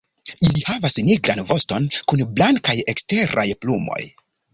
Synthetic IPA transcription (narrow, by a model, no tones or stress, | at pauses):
ilihavasniɡɾanvo̞sto̞nkunblaŋkajekste̞ɾa̰jplumo̞̰j